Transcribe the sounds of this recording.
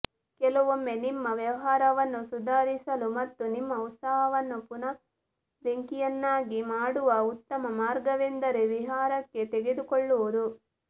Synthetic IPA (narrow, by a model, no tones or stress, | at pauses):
kɛlɐʋomːe̞nimːɐʋjɐʋɐɦaːɾɐʋɐnːusud̪ʱaːɾisɐlumɐt̪ːunimːɐut̪sɐɦɐʋɐnːupunɐ | ɾeŋkijɐnːaːɡimaːɽuʋɐut̪ːɐmɐmaːɾɡɐʋend̪ɐɾeʋiɦaːɾɐkːe̞t̪eɡed̪ukoɭːuʋɐd̪u